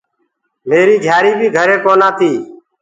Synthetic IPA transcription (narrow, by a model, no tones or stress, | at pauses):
meːɾiːɡʱjaːɾiːbʱiːɡʱəɾeːkoːnãːt̪ʰiː